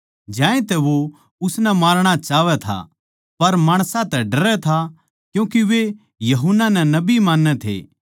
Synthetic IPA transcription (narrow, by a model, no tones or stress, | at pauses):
d͡ʒãːẽt̪ɛʋo | ʊsnɛmaːɾɽ̃at͡ʃaːʋɛt̪ʰa̰ | pɐɾmaːɽ̃sãt̪ɛɖɐɾɛt̪ʰa | kjũːkiʋe | jɐɦʊnːanɛnɐbimaːnːɛt̪ʰḛː